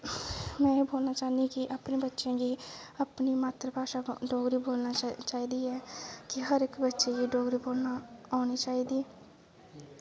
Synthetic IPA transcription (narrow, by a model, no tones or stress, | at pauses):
mɛ̃ːboːlnaːt͡ʃaːnikiʔəpneːbətːʃẽːɡiəpnimaːt̪ɾəpaːʃaɖoːɡɾiːboːlnat͡ʃaːid̪iːɛːkɪɦəɾɪkbətːʃeɡiɖoːɡɾiːboːlnaaːnit͡ʃaːid̪iːɛː